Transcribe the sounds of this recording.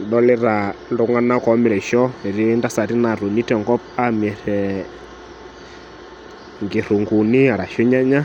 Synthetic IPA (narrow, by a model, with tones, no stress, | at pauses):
ɗɔ˦lɛ˦ɾa˨ndo˦ŋa˦na˦kɔ˨˦mɪ˨ɾɛ˨ʃɔ˦ɛ˨ɾi˦ɛ˦nda˦sa˨ɾi˦na˨ɾo˨ni˦tɛ˨ŋɡɔ˦p̚a˦mɛ˨ɾɛ | ŋɡe˨ɾu˨ŋɡu˨ni˦a˨ɾa˨ʃo˦ɲa˦ɲa˦